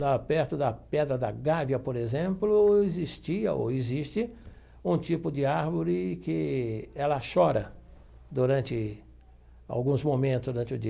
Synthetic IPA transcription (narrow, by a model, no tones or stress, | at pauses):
lapɛɾt̪ʊd̪ɐpɛd̪ɾɐd̪ɐɡavjɐpoɾezẽmplʊezist͡ʃ̪iɐ̰o̰ezist̪ɪ | ũt͡ʃ̪ipʊd͡ʒ̪ɪaɾvoɾɪkɪɛlɐʃɔɾɐ | d̪uɾɐ̃nt͡ʃ̪ɪ | a̰wɡũzmomẽnt̪ʊsd̪uɾɐ̃nt͡ʃɪʊd͡ʒi